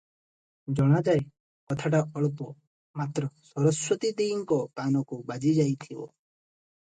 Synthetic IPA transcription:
d͡ʒɔɽ̃ad͡ʒaj | kɔt̪ʰaʈ̬aɔɭpɔ | mat̪ɾɔsɔɾɔswɔt̪id̪iːŋkɔkanɔkubad͡ʒid͡ʒajt̪ʰibɔ̰

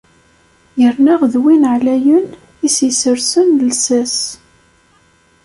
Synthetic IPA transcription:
jəɾnaʁðwinʕlæjən | isisəɾsənlsæs

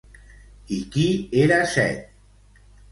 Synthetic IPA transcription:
ikieɾasɛ̰t̪̚

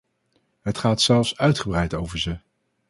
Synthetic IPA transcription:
ɦətχaːtsɛlˠfsœɥtχəbrɛjtowvəɹzə

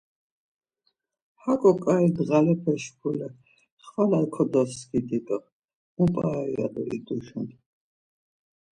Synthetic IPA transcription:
hakʼɔkʼaid̪ʁalɛpʰɛʃpʰulɛ | χwalalkʰɔd̪ɔsɡid̪it̪ʼɔ | mupʼaːia̰d̪ɔ̰ḭd̪ʼuʃun

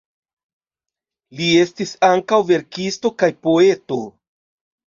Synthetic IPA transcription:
lie̞stisaŋkawve̞ɾkisto̞kajpo̞e̞to̞

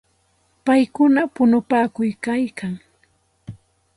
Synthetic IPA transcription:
pajkʊnapʊnʊpaːkʊjkajkaŋ

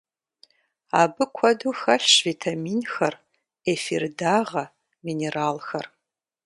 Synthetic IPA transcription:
abɨkʷʰɐduxɐɬʂvitʰamiːnxɐr | efirdaːʁɐ | mineraːlxɐr

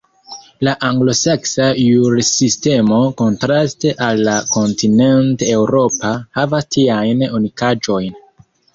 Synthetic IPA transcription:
laʔaŋɡlo̞se̞ksajuɾsiste̞mo̞ko̞ntɾaste̞ʔalːako̞ntʰine̞nte̞wɾo̞pahavastiajnunikad͡ʒo̞jn

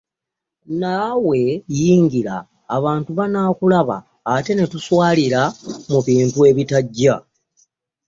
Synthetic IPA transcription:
nawe̞jiːŋɡiɾa̰ː | βaːntuβanaːkulaβa̰ː | te̞ne̞tuswaːliɾamuβiːntue̞βitaɟːa

